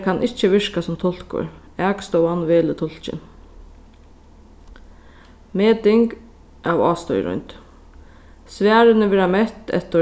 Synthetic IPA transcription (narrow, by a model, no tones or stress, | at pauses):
kʰanʔɪt͡ʃːəʋɪʂkasʊmt̪ʰʊl̥kʊ̰ɹ | æːkst̪ɔwanʋeːlət̪ʰʊl̥t͡ʃɪ̰n | meːt̪ɪŋk | ʔawa̰ːst̪ɔ̰jɾʊ̰ɲt̪ | sʋæːɾɪnəʋɛːɾamɛt̪ɛ̰t̪ə